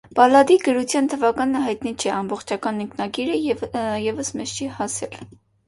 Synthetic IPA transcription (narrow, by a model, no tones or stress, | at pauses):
b̥ɑlɑd̪iɡəɾut͡sʰjɑnt̪ʰəvɑkɑnəɦɑjt̪nit͡ʃʰɛɑmbɔχt͡ʃʰɑkɑniŋkʰnɑɡiɾəjɛvəsmɛst͡ʃʰihɑsɛl